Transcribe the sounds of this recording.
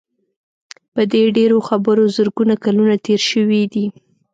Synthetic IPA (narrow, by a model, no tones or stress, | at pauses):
pəd̪eɖeɾoxabəɾozəɾɡunakalunat̪eɾʃəwid̪i